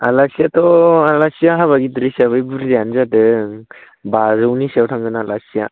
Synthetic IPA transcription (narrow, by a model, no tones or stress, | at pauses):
alasijatɔalasijaɦaβaɡidɾisaβɯjbuɾzjanzadɯŋ | bazɯwnisawtʰaŋɡɯnalasija̰